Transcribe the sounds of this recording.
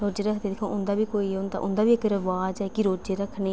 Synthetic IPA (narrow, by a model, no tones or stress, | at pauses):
ɾoːd͡ʒeːɾəkʰd̪eːd̪ekʰõ̰ːʔʊnd̪aːbiːkoːiːʊnd̪a̰ʔʊnd̪aːbiːɪkɾəʋaːd͡ʒɛːkɪɾoːd͡ʒeːɾəkʰnẽː